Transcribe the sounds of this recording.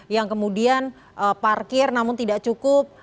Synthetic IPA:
jaŋkəmudian | ʔəparkɪrnamʊnt̪idaʔt͡ʃukʊp̚

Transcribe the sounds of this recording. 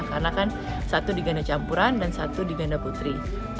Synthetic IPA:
kanakan | sat̪udiɡandat͡ʃampuɾandansat̪udiɡandaput̪ɾi

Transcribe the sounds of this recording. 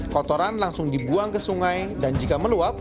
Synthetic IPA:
kɔt̪ɔɾanlaŋsʊŋdibuaŋkəsuŋajdand͡ʒikaməluap̚

